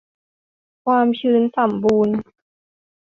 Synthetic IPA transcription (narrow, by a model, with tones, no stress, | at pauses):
kʰwaː˧mt͡ɕʰɯː˧nsa˩˦mbuː˧n